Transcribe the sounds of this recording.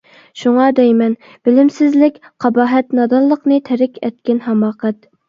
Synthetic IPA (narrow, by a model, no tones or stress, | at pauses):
ʃuŋɑd̪ɛjmɛn | b̥ɪlɪmsɪzlɪkʲqʰɑbɑːɦɛt̪nɑd̪ɑlˠːəqnɨt̪ʰɛɾɪkʲɛt̪kʲɛnɦɛmɑːqɛt̪̚